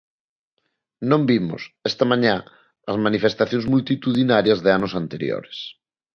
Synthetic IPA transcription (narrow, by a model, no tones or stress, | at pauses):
nõmbimʊ̰sɛst̪ɐmãɲã | ɐzmanifest̪aθjõŋzmult̪it̪uðinaɾjɐzðeanʊsant̪eɾjo̰ɾes